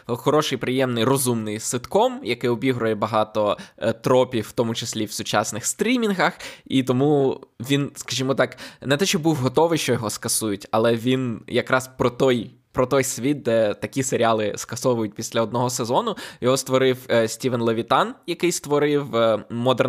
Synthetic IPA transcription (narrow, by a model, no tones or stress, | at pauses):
xɔɾɔʃɪjpɾɪjɛmnɪjrɔzumnɪjsɪt̪kɔmjɐkɪjɔbʲiɦɾʊjɛbɐɦɑt̪ɔt̪ɾɔpʲiwt̪ɔmʊt͡ʃɪsʲlʲiwsʊt͡ʃɑ̰snɪxst̪ɾʲimʲinɦɐxit̪ɔmuʋʲinskɐʒʲimɔt̪ɑknɛt̪ɛʃt͡ʃɔbuwɦɔt̪ɔʋɪjʃt͡ʃɔjɔɦɔskɐsujʊtʲɐ̰lˠɛʋʲinjɐkɾɑspɾɔt̪ɔj | pɾɔt̪ɔjsʲʋʲit̪̚d̪ɛt̪ɐkʲiseɾʲɪɑlˠɪskɐsɔʋʊjʊtʲpʲisʲlʲɐɔd̪nɔɦɔsezɔnʊjɔɦɔst̪ʋɔɾɪwsʲtʲiʋɛnlˠɐʋʲit̪ɑnjɐkɪjst̪ʋɔɾɪwmɔd̪ɛr